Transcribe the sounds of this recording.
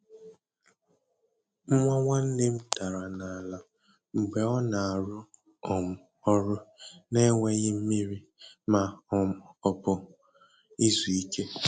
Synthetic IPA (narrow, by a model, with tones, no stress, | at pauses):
m̩˦ŋʷa˦ŋʷa˦n̩˦dɪ˦m̩˦ta˨ɾa˨na˨a˨la˨ | ŋ͡m̩˨ɡ͡be˨ɔ˦na˨a˨ɾʊ˦ | ɔ˨mʊ˨ | ɔ˦ɾʊ˦ne˦ŋʷe˦ɲɪ˦m̩˦mi˦ɾi˦ | ma˨ | ɔ˨pʊ˨ | i˦zu˨i˦ke˦